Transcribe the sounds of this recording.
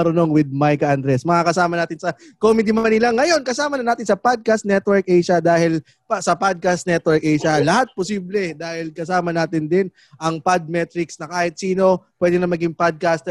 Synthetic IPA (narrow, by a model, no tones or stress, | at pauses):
ɐɾʊno̞ŋwɪd̪̚majkɐʔɐnd̪ɾɛsmɐŋakɐsaːmɐnaːt̪ɪnsɐkomɪd̪imɐnɪlaŋːɐjo̞nkɐsaːmɐnɐnaːt̪ɪnsɐpad̪̚kast̪nɛt̪wɛɹk̚ʔɛjʃɐd̪aːhɪl | pɐsɐpad̪̚kast̪nɛt̪wɛɹkʔɛjʃɐlɐhat̪̚posiːblɛd̪aːhɪlkɐsaːmɐnaːt̪ɪnd̪ɪn | ʔɐŋpad̪̚mɛt̪ɾɪksnɐkaːhɪt̪̚siːno̞pwɛːd̪ɪnɐmːɐɡiŋpad̪̚kast̪